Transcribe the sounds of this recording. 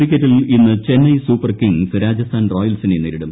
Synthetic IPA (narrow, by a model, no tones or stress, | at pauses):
rikʲːɐɾilinːɨt͡ɕe̞nːɐjsuːpːɐrkiŋsɨɾaːd͡ʑɐst̪ʰaːnroːjɐlsinenːiːɾiɽum